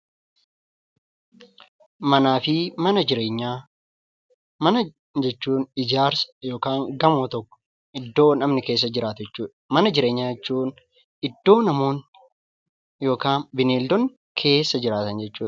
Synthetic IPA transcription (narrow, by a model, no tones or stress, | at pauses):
mɐnaːfɪmɐnɐd͡ʒɪɾe̞ːɲːaː | mɐnɐ | d͡ʒɛt͡ʃːuːnɪd͡ʒaːɾsɐ̥jo̞ːkaːŋɡɐmoːt̪ɔkːɔ̥ | ʔɪd̪ːo̞ːnɐmnɪke̞ːs̬ːɐd͡ʒɪɾaːt̪d͡ʒɛt͡ʃːuːᶑɐmɐnɐd͡ʒɪɾeːɲːaːd͡ʒɛt͡ʃːuːn | ɪd̪ːo̞ːnɐmo̞ːn | jo̞ːkaːnbɪneːld̪ɔn | kʰe̞ːsːɐd͡ʒɪɾaːt̪ɐnd͡ʒɛt͡ʃːuː